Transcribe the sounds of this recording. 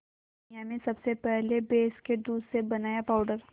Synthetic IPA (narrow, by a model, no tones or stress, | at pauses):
jamẽsɐbsepɛɦlebeːsked̪uːd̪sebɐnaːjapaːʊɖəɾ